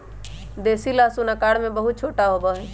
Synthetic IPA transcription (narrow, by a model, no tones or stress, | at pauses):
d̪eːsilasunakaːɽmẽbəɦut̪̚t͡ʃʰoːʈaɦobəɦɛ̃